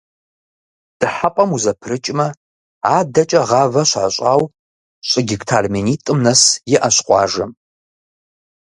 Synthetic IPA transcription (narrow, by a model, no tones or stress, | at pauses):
d̥ɨħapʼɐmuzɐpʰrɨt͡ʃʼmɐ | aːdɐt͡ʃʼɐʁɑːvɐɕʷa̰ːɕʼaːw | ɕʼɪɡʲɪktʰaːrmeniːtʼɨmnɐsjɪʔɐɕqʷʼɑ̰ːʒɐm